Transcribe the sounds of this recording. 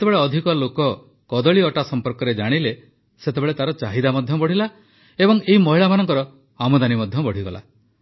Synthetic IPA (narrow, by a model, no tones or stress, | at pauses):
et̪ebeɭeɔd̪ʱikɔlokɔ | kɔd̪ɔɭiɔʈasɔmpɔɾkɔɾed͡ʒaɽ̃ile | set̪ebeɭet̪aɾɔt͡ʃaɦid̪amɔd̪ʱjɔbɔɽ̤ila | ebɔŋeɦimɔɦiɭamanɔŋkɔɾɔ | amod̪animɔd̪ʱjɔbɔɽ̤iɡɔla̰